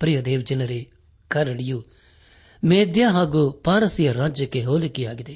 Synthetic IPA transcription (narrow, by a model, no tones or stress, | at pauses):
pɾijod̪eːʋd͡ʒɪnɐɾe | kɐɾɐɽɪju | meːd̪jaːɦaɡupaːɾəsijɐɾãːd͡ʒəkeɦoːlekiaːɡɪd̪eː